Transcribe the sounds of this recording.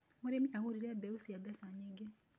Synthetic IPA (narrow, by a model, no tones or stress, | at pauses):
moɾemiaɣoɾiɾɛbɛusiadɛsaɲeɡe